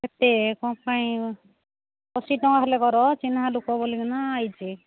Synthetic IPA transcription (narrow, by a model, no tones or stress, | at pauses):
et̪ekɔ̃paĩ | kɔsiʈɔŋaɦɔlekɔɾɔt͡ʃinɦalokɔbolikanaːjt͡ʃi